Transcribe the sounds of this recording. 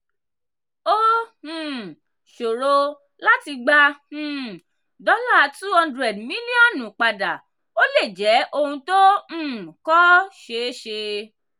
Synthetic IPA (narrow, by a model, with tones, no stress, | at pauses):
õ˦˨ | ʃo˨ɾo˧ | la˦ti˧ɡ͡bã˧˨ | dɔ˦la˦a˧tu˦hɔ̃˧ndɾɛ˨dmĩ˦li˦ɔ̃˦˨nũ˨k͡pa˧da˨ | o˦le˦˨d͡ʒɛ˨˦ʔo˦˧hũ˧tõ˦˨ | kɔ˦ʃe˨˦ʃe˧